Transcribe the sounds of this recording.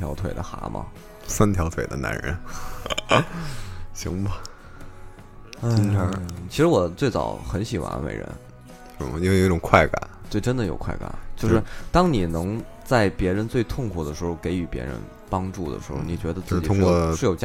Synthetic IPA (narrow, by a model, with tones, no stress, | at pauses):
t̪ʰjɑ˧˥ʊt̪ʰwḛ˨˩ɪd̪ə˦xa̰˧˥mʔɐ̰˧˩ | sa˥nt̪ʰjɑ˧˥ʊt̪ʰwe˨˩ɪd̪ə̰˦na̰˧˥nɻə̰˧˥n | ɕḭ˧˥ŋbɐ˨ | a˥˧i˥na˥t͡ɕʰi˧˥ʂɻ̩˧˥wɔ˨˩t͡swe˥˩ɪt͡sɑ̰˨˩ʊxə˧˥nɕi˨˩xwa̰˧˥nwḛ˧˩ɪɻə̰˧˥n˧˩˧ | i˥we˥˩˧jo˨˩˥ʈ͡ʂʊ˨˩ŋkʰwa˥˩ɪka̰˨˩˦nt͡swe˥˩ɪʈ͡ʂə˥nd̪ə˨jo˨˩ʊkʰwa˥˩ɪka̰˨˩˦nt͡ɕjo˥˧ʊʂɻ̩˥˩t̪ɑ˥ŋni˨˩nɤ˧˥ŋ | t͡sa˥˩ɪpjɛ˧˥ɻə˧˥nt͡swe˥˧ɪt̪ʰʊ˥˩ŋkʰu˨˩d̪ə˦˩ʂɻ̩˧˥xo˧ʊke˧˥ɪy˧˩pjɛ̰˧˥ɻə̰˧˥n | pɑ˥ŋʈ͡ʂu˥˩d̪ə̰˩ʂɻ̩˧˥xo˧˩ʊni˨˩t͡ɕɥɛ˧˥d̪ə˧t͡sɹɹ̩˥˧t͡ɕt̪ʰʊ˥˧ŋkwɔ˥˩ʂ̩˥˩jo˨˩ʊt͡ɕ